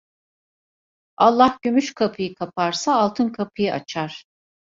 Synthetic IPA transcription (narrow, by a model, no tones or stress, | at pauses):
alˠːahɟymyʃkʰapʰɯjɯkʰapʰaɾsaːlˠt̪ʰɯnkʰapʰɯjɯʔa̰t͡ʃʰaɾ̥